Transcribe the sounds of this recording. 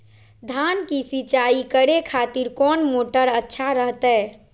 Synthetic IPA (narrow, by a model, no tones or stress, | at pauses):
d̪ʱankisit͡ʃaikəɽekʰat̪iɾkɔːnmoʈəɾətːʃʰaɾəɦt̪ɛ